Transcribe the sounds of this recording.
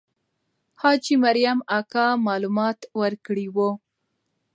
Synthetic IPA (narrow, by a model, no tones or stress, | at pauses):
hɑd͡ʒimaɾjamakɑmɑlumɑt̪wəɾkɽiwo